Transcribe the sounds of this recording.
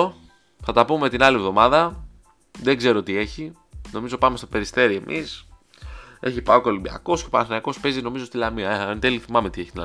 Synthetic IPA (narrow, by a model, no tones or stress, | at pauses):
θɐt̪ɐpummet̪inɐlie̞vðo̞mɐðɐ | ðe̞ɡze̞ɾo̞t̪ie̞çi | no̞mizo̞pɐmest̪o̞pe̞ɾist̪e̞ɾie̞mʔis | e̞çipɐoko̞limbiɐ̰ko̞scepɐnɐθinɐko̞spe̞zino̞mizo̞st̪ilɐmiɐnt̪eliθimɐme̞t̪ieçit̪il